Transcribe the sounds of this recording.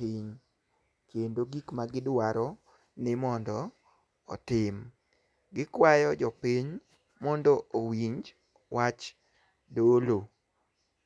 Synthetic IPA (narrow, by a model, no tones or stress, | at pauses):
iɲ | kendoɡikmaɡɪdwaɾɔ | nɪmɔndɔ̰ː | tɪm | ɡɪkwajɔd͡ʒɔpiɲ | mɔndɔʔowiɲd͡ʒ | wʔat͡ʃ | dolo